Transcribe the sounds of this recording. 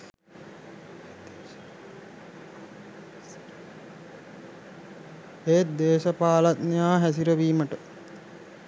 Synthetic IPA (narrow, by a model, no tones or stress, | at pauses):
et̪̚d̪eːʃɐpaːlat̪nejaːɦæs̬iɾəʋiːməʈə